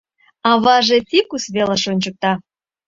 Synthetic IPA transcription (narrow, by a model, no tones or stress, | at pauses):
ɑβɑʒet̪ikusβeleʃonʲt͡ɕək̚t̪ɑ